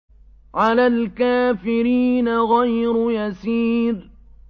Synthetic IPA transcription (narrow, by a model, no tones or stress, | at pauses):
ʕalaːlkaːfɪɾiːnaɣajɾʊjasiːɾ